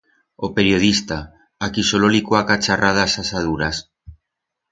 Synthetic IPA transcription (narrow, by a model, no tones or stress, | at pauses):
opeɾjoð̞ist̪a | akisololikwakat͡ʃarʔaðasasað̞uɾas